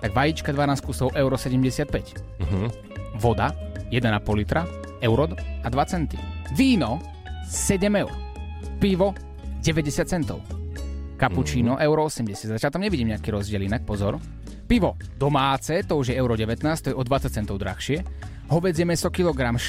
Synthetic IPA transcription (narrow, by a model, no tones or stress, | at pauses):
t̪aɡʋajit͡ʃkad̪ʋanaːskusɔʊʔɛʊɾɔsɛɟɛmɟɛsɪat̪̚pɛc | ʋɔd̪ajɛd̪ɛnapɔlit̪ɾa | ɛʊɾɔad̪ʋat͡sɛnt̪ḭʋiːnɔ | sɛɟɛmɛʊɾ | piʋɔ | ɟɛʋɛɟɛsɪat̪̚t͡sɛnt̪ɔ̰ʊ | kaput͡ʃiːnɔʔɛʊɾɔɔsɛmɟɛsjad̪zacalt̪amɲɛʋiɟiːmɲɛakiːɾɔzɟɪɛlinak̚pɔzɔɾ | piʋɔd̪ɔmaːt͡sɛt̪ɔuʒjɛɛʊɾɔɟɛʋɛt̪naːst̪ɔjɛɔd̪ʋat͡sac̚t͡sɛnt̪ɔʊd̪ɾa̰xʃɪɛ | ɦɔʋɛd͡zɪjɛmɛsɔkilɔɡɾam